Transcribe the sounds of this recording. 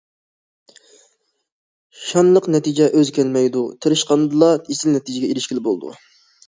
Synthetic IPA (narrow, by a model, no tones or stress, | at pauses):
ʃɑnlˠəqnɛt̪ʰid͡ʒɛʔøzkʲʰælmɛjd̪ut̪ʰɨɾɨʃqɑnd̪ɨlˠɑisɪlnɛt̪ʰɪd͡ʒɪɡʲɛiɾɪʃkʲilɪbolˠd̪ṵ